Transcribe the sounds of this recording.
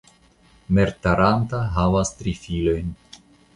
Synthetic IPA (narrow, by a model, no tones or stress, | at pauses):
me̞ɾtaɾantaɦavast̪ɾifilo̞jn